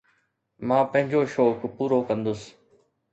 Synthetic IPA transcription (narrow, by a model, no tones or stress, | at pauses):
mãːpɐ̃ɦɪ̃ɲd͡ʑoːʃoːkpuːɾokə̃nd̪ʊs